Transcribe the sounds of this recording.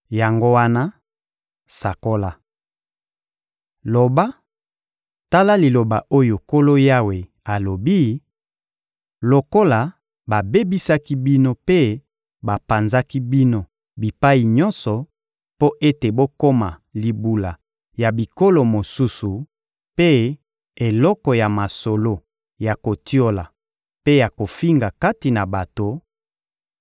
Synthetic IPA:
ja˨ŋɡo˦wa˦na˦ | sa˨ko˦la˦ | lo˨ba˦ | ta˦la˦li˨lo˨ba˨ʔo˦jo˨ko˦lo˦ja˦we˨ | a˨lo˨bi˦ | lo˨ko˦la˨ | ba˨be˦bi˦sa˦ki˦bi˦no˦pe˦ | ba˨pa˨nza˦ki˦bi˦no˦ | bi˨pa˦i˨ɲɔ˦nsɔ˨ | po˦ʔe˦te˨bo˦ko˦ma˨li˨bu˨la˨ | ja˨bi˨ko˦lo˨mo˨su˦su˨ | pe˦ | e˨lɔ˦kɔ˨ja˨ma˨so˨lo˦ | ja˨ko˨ti˦o˦la˨ | pe˦ja˨ko˨fi˦ŋɡa˨ka˦ti˨na˨ba˨to˨

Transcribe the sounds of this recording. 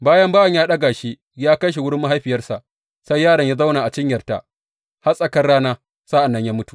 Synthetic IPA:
baː˦jɐ˦mbaː˦jɐ˨ɲjaː˦ɗɐ˦ɡaː˨ʃi˦ | jaː˦kɐ˦jʃ̬i˨wʊ˦ɽɪ˦mːa˦ɦa˦jɸɪ˨jɐ˦rsa˨ʔ | sa˦jːaː˦ɽɐ˨ɲjaː˦za˦wnaː˨ʔa˨t͡ʃɪ˦ɲjɐ˨rta̰˨ʔ | ha˦sʼɐ˦kɐ˦rɽaː˦naː˦ | saː˦ʔa˨nːɐ˦ɲjaː˦mʊ˦tu̥˨

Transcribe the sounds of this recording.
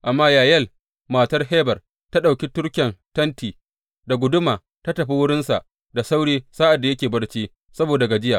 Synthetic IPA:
ʔa˨mːaː˦jaː˨jɐ˦˨l | maː˨tɐ˦rɦeː˦bɐ˨r | ta˦ɗa˨wkʲi˦tʊ˦ɽkʲɛ˨ntɐ˦ntiː˨ | da˨ɡʷʊ˦dʊ˦maː˨ | ta˦tɐ˨ɸi˦wʊ˦ɽɪ˦nsa˨ʔ | da˨sa˦wɽiː˦saː˦ʔa˨dːa˨jɐ˦kʲeː˨bɐ˦ɽt͡ʃiː˦ | sɐ˦boː˨da˨ɡa˨d͡ʒɪ˦jaː˨

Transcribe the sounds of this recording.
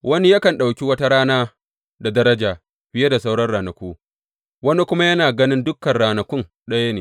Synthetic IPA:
wɐ˦ni˦jɐ˦kɐ˨nɗa˨wkʲi˦wɐ˦ta˦ɾaː˦naː˦ | da˨dɐ˦ɾɐ˦d͡ʒaː˨ | ɸɪ˦je˦da˨s̬a˦wɽɐ˦rɽaː˨nɐ˨kʷuː˦ | wɐ˦ni˦kʷʊ˦ma˦jɐ˦naː˨ɡɐ˦nɪ˦ndʊ˦kːɐ˨nɽaː˨nɐ˨kʷʊ˦n | ɗɐ˦ja˦neː˨

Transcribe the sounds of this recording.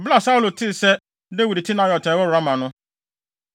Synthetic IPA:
ɔ˨bla˦˨sa˦u˨lo˨tʰɪ˦˨sɛ˦ | de˦wu˨di˨tʰi˦nã˨jɔ˨tʰɛ˨˦wɔ˦˨a˦mã˨nʊ̃˦

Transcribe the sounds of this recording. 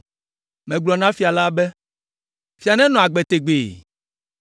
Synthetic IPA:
mɛ̃˨ɡ͡blɔ˨nã˦fi˨a˨la˦bɛ˦ | fi˨a˨nɛ̃˦nɔ̃˨a˨ɡ͡bɛ˨t̪e˨ɡ͡beː˨

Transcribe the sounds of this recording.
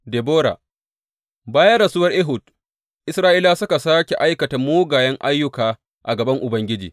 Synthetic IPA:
de˨boː˦ɾa̰ː˨ | baː˦jɐ˦ɽɐ˨suː˦wɐ˦rʔe˦ɦʊ˨d̚ | ʔɪ˦sɾaː˦ʔiː˦laː˦sʊ˦ka˨saː˦kʲe˨ʔa˦jkɐ˨ta˨moː˦ɡaː˨jɐ˦ŋʔa˦jːʊ˦kaː˨ | ʔa˨ɡɐ˨bɐ˦ŋʔʊ˨bɐ˦ŋɡʲɪ˦d͡ʒḭː˨

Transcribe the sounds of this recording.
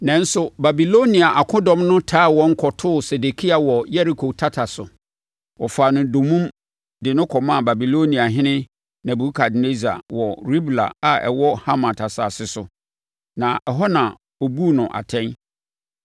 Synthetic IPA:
nɛ̃˨n̩˦sʊ˦ba˨bi˨lo˦nĩ˨a˨ʔa˨kʰʊ̃˦dɔ̃˦mnʊ̃˦tʰaː˦˨wɔ̃˦ŋ̩˦kʰɔ˨tʰʊː˦˨sɛ˨de˨kʰi˦a˨wɔ˨jɛ˦ɾi˨kʰo˨tʰa˦tʰa˨sʊ˨ | wɔ˨faː˨nʊ̃˨do˨mũ˦m | dɪ˨nʊ̃˦kʰɔ˨mã˦˨ba˨bi˨lo˦nĩ˨a˨ɦɪ̃˦nɪ̃˦ | nã˨bu˨˦kʰa˨dne˦zi˨a̰˨wɔ˨ɾi˦bla̰˨a˨ɛ̰˨wɔ˦ha˦mã˨tʰa˨sa˨sɪ˦sʊ˨ | nã˨ɛ˨ɦɔ˦nã˨ | o˨bu˦˨nʊ̃˨ʔa̰˨tʰɛ̃˦n

